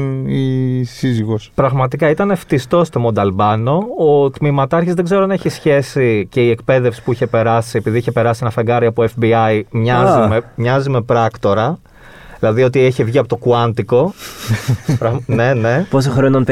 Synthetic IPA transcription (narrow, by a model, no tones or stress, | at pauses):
isiziɣospɾɐɣmɐt̪ikɐit̪ɐneft̪ist̪o̞st̪o̞mod̪ɐlbɐno̞ot̪mimɐt̪ɐɾçizðe̞ɡze̞ɾoɐneçisçe̞sice̞ie̞kpe̞ðe̞fsi̥puiçe̞pe̞ɾɐsie̞piðiiçe̞pe̞ɾɐsinɐfɐɡɐɾiɐpoefbiɐimɲɐzimemɲɐzime̞pɾɐkt̪o̞ɾɐ | ðilɐðio̞t̪ieçe̞vʝiɐpo̞t̪okuɐnd̪iko̞ | pɾɐne̞neposoxɾonɐnp